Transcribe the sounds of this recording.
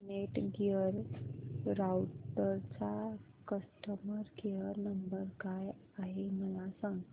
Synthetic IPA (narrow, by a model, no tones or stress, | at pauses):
neʈɡiəɾ | ɾawʈəɾt͡ɕa | kəsʈəməɾɡijəɾnəmbəɾkaj | aɦeməlasãŋɡ